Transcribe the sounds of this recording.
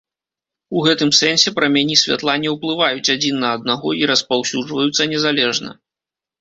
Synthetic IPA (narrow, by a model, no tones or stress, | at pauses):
uɣɛt̪ɨmsɛnsʲɛpɾɐmʲanʲisʲvʲa̰t̪lˠanʲiwplˠɨvajut͡sʲad͡zʲinːɐːd̪̚naɣɔiɾɐspawsʲuʐvɐjut̪sːɐnʲɛzalʲɛʐnɐ̰